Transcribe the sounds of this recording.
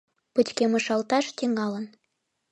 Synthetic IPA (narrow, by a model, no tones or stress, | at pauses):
pət̪ʲkemɤ̆ʃɑlt̪ɑʃt̪iŋɑlə̆n